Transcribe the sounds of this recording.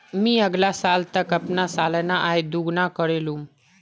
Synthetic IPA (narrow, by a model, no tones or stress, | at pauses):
mĩəɡlasaːlt̪əkəpnasaːlnaʔaːed̪uɡnakəɾelũm